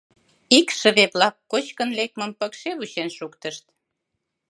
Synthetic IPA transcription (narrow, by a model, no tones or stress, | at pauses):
ikʃə̆βeβlɑkːot͡ɕkənlek̚məmpəkʃeβut͡ɕenʃukt̪əʃt̪